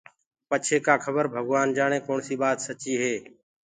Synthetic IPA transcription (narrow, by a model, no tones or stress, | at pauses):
pət͡ʃʰeːkaːkʰəbəɾbʱəɡʋaːnd͡ʒaːɽ̃eːkoːɳsiːbaːt̪sət͡ʃiːɦeː